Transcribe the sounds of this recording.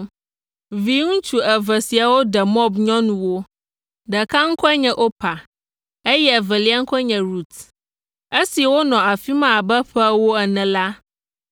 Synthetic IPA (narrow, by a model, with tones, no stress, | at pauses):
vi˨˦ŋũ˦t͡ʃu˨ɛ˨vɛ˨si˨a˨wo˦dɛ˨mɔ˦bɲɔ̃˦nũ˨wo˦ | dɛ˨kã˦ŋ̩˦kʰɔ˦ɲɛ̃˨ʔo˦pʰa˨ | e˦jɛ˦ɛ˨vɛ˨li˦a˦ŋ̩˦kʰɔ˦ɲɛ̃˨ɾu˦t̪ | e˦si˨ɛ˨wo˦nɔ̃˨a˨fi˦mã˦˨a˨bɛ˦ɸɛ˦wo˦ɛ˨nɛ̃˨la˦